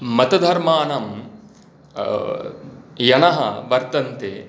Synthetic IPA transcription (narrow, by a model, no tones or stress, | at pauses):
mɐt̪ɐd̪ʱɐɾmaːnɐm | jɐnɐɦɐ̰ʋɐɾt̪ɐnt̪e